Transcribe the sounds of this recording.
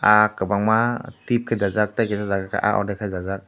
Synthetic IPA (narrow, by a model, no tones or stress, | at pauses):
akəbaŋmatip̚kʰajdazak̚t̪ajkɛsazaɡaka̰ʔa̰ʔɔ̰dakʰajdazak̚